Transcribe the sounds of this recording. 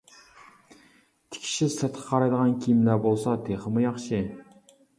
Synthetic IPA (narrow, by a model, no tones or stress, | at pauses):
t̪ʰɪ̥kʲʰi̥ʃissæt̪ʰə̥qʰɑɾɑjd̪əʁɑnkʲʰijimlæbolˠsɑt̪ʰeχəmujɑχʃi